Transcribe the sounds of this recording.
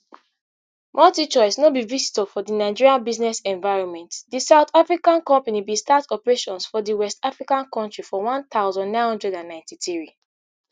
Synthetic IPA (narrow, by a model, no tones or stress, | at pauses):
mʔɔtit͡ʃɔɪsnobivisi̥tɔfɔdinaɪd͡ʒiɹiãbiznɛsɛ̃ɱvaɪɹɔ̃nmɛ̃ntdisaʊθafɹikãnkɔ̃mpanibistatɔpɹeʃɔ̃nsfɔdiwɛstafɹikãnkɔ̃ntɹifɔwãnt̪aʊzɔ̃nːãɪ̃nhɔ̃ndɹɛdãnːãɪ̃ntiθɹi